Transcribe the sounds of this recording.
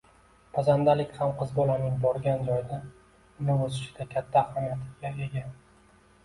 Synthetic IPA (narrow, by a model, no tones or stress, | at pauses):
pʰazand̪alɪkʲhamqʰɨzbɒlanɪŋbɒɾɡʲand͡ʒɒjd̪a | ʊnɪɵzɪʃɪd̪akʲʰat̪ʰːaχɒnat̪ʰɪɡʲae̞ɡʲa